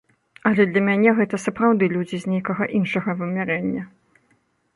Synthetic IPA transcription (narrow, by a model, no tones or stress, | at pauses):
ɐlʲɛd̪lʲɐmʲanʲɛɣɛt̪ɐsɐpɾawd̪ɨlʲud͡zʲizʲnʲejkɐɣɐʔinʂɐɣɐvɨmʲɛɾɛnʲːɐ